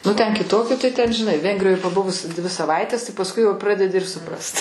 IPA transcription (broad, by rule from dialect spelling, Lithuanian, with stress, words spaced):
nʊ ˈtʲɛn kʲɪˈtoːkʲɪ tɐɪ ˈtʲɛn ʒʲɪˈnɐɪ ˈʋʲɛŋɡrʲɪjoːj pɐˈbʊʋʊs ˈdʲʋʲɪ sɐˈʋɐɪtʲɛs pɐsˈkʊɪ jɛʊ ˈprɑːdʲɛdʲɪ ɪr sʊˈprɐst